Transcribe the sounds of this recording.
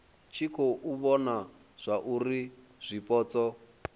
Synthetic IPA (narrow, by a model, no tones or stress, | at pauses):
t͡ʃʰikʰɔʔuβɔna | z̥ʷaʔuɾi | z̥ʷipʼɔːt͡sɔ